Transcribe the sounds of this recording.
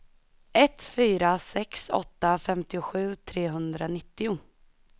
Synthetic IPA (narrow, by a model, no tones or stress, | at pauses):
ɛt̪fyːɾasɛksɔ̰t̪ːafɛmt̪ɪʊɧʉ̟ːt̪ʰɾeːɦɵnd̪ɾanɪt̪ːɪʊ